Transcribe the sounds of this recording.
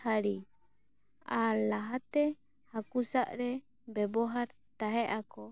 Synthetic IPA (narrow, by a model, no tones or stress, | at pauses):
haɾi | alaɦat̪ɛ | hakusaʔɾɛ | bɛbɔɦaɾ | t̪aɦɛʔakɔ